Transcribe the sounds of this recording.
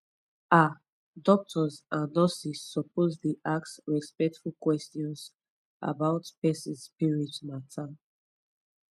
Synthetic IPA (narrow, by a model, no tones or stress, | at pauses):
a | dɔk̚tʰɔzãnːɔsisːɔpozdiʔaksɹispɛk̚tfulkwɛstiɔ̃ns | ʔa̰baʊtpɛsĩspiɹitmatʰa